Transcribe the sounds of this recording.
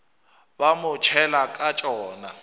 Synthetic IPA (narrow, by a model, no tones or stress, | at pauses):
bamʊt͡ʃʰɛlakʼat͡ʃʼɔːna